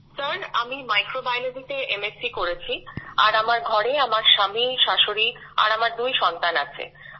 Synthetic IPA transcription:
səɾnamimajkɾobajlod̪ʱit̪eʔemesikoɾet͡ɕʰia̰ɾamaɾɡʱɔɾeamaɾʃamiʃaʃoɾi | a̰ɾamaɾd̪ujʃɔnt̪ana̰t͡ɕʰḛ

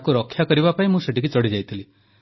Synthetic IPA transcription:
kuɾɔkʰːjakɔɾibapaĩmũseʈikut͡ʃɔɽid͡ʒajt̪ʰili

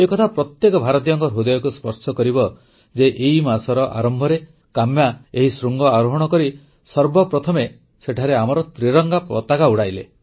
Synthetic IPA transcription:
ekɔt̪ʰapɾɔt̪jekɔbʱaɾɔt̪̬ijɔŋkɔɾɦud̪ɔjɔkuspɔɾsɔkɔɾibɔ | d͡ʒeʔeimasɔɾɔʔa̰ɾɔmbʱɔɾe | kamjaeɦisɾuŋɡɔaɾɔɦɔɽ̃ɔkɔɾi | sɔɾbɔpɾɔt̪ʰɔme | seʈʰaɾeamɔɾɔt̪ɾiɾɔŋɡapɾɔ̰t̪aɡauɽajle

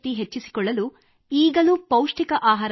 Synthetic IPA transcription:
t̪iɦet͡ʃːisi̥kɔɭːɐlu | iːɡɐlupɐwʂʈikɐʔaːɦaːɾ

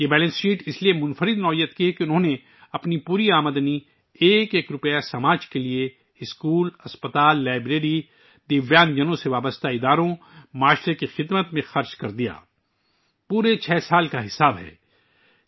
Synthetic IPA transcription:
jebɛːlɛ̃nsʈiːʈɪsliemʊ̃nfəɾɪd̪nɔːijət̪kiɦɛkiʊnɦõne | ɐpnipuːɾiaːməd̪ni | eːkeːkɾʊpjasɐmaːd͡ʒkelie | ɪskuːlɐspət̪aːlːaːɪbɾeːɾi | d̪ɪʋjaːnd͡ʒɐnõseʋaːbəst̪aɪd̪aːɾõ | maːʃɾekixɪd̪mət̪mẽxɐɾt͡ʃkɐɾd̪ija̰ː | puːɾet͡ʃʰɛːsaːlkaɦɪsaːbɦɛ̰ː

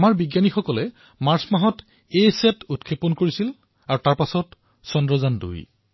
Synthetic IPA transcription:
amaɹbiɡjanixɔkɔlɛ | maɹsmaɦɔt | ejsɛtutkʰepɔnkoɹisil | aɹutaɹpasɔt | sɔndɹɔzandṵj

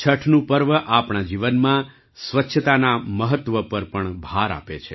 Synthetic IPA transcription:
t͡ʃʰəʈʰnũpəɾʋəʔapɳad͡ʒiʋənmã | sʋətːʃʰət̪anaməɦət̪ːʋəpəɾpəɳbʱaɾa̰pet͡ʃʰe

